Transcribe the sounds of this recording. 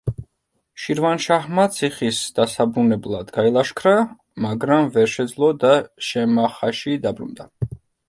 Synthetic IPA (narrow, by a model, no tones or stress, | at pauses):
ʃiɾvanʃahmat̪sʰiχisd̪̥asabɾunɛblˠad̪ɡailˠaʃkʰɾa | maɡɾamvɛɾʃɛd̪zlˠɔd̪aʃɛmaχaʃid̪abɾṵnd̪a